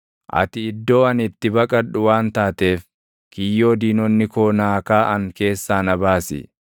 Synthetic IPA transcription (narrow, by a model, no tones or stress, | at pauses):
ʔɐ̰t̪ɪɪd̪ːo̞ːɐnɪt̪ːɪbɐkʼɐᶑʊwaːnt̪aːt̪e̞ːf | kɪjːoːd̪iːnɔnːɪkoːnaːkaːʔɐŋke̞ːsːaːnɐbaːsɪ̰